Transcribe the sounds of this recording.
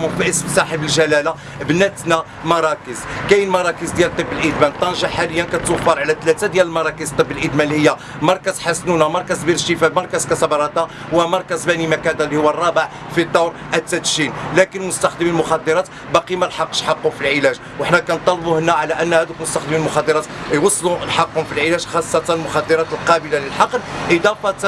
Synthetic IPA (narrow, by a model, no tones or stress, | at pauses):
mfiʔəsmsˤɑħəbəlʒælæla | bnæt̪næ | mɑɾˤɑkəzkæjəlmɑɾˤɑkəzd̪jælt̪ˤːəbːəlʔəd̪mænt̪ˤːɑnʒɑħaləjːænkæt̪ːwfːɑɾˤʕlæt̪læt̪ad̪jæləlmɑɾˤɑkəzt̪ˤːəbːəlʔəd̪mænlihəjːæ | mɑɾˤkæzħasnunæmɑɾˤkæzbiɾəʃifæbmɑɾˤkæzkæsɑbɾˤɑd̪ɑ | wæmɑɾˤkæzbænimækæd̪ælːihʊwːærˤːɑbəʕ | fid̪ːɑwɾ | ʔæt̪ːæt̪ʃinlækənmʊst̪ɑxd̪əmilmʊxɑd̪ːəɾˤɑt̪ | bɑqimælħɑqːʃħɑqːʊfilʕilæʒ | wəħnækænt̪ˤːɑlːbuhənːæʕalæʔənːhæd̪ukmʊst̪axd̪əmilmʊxɑd̪ːəɾˤɑt̪jwɑsˤːlulħɑqːhʊmfilʕilæʒxɑsˤːɑt̪ɑnəlmʊxɑd̪ːəɾˤɑt̪əlqɑbəlaləlħɑqːnʔəd̪ɑfɑt̪